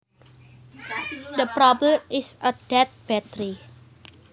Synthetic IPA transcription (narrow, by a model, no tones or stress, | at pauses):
d̪əpɾɔbləmɪsəd̥ɛt̪̚b̥ɛt̪ɾi